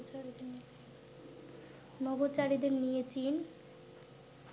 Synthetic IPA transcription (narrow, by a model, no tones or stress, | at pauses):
t͡ɕaɾid̪eɾniet͡ɕi | nɔbot͡ɕaɽid̪eɾnijet͡ɕin